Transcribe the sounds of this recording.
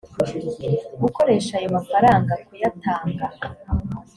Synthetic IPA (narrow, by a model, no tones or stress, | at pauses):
ɡuko̞ɾe̞ːʃaːjomafaɾaːŋɡakujatʰaːŋɡa